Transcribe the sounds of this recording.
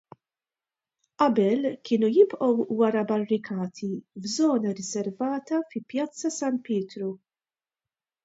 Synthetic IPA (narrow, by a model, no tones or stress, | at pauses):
ʔɐbɛlkɪːnujɪbʔɔwːɐɾɐbɐrːɪkʰɐːt̪ʰivzɔːnɐɾɪzɛɾvɐːt̪ɐfɪpjɐt͡sːɐsɐnt̪pɪːt̪ɾu